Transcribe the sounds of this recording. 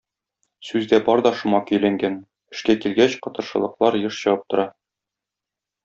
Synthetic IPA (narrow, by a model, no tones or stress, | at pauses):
sʉzd̪æbɒɾd̪ɒʃŭmɑkɵ̆jlæŋɡæn | ɘ̆ʃkækilɡæɕqɒ̆t̪ɤ̆ɾʃɤ̆lˠɤ̆qlˠɑɾjɤʃɕɤ̆wɤp̚t̪ŏɾɑ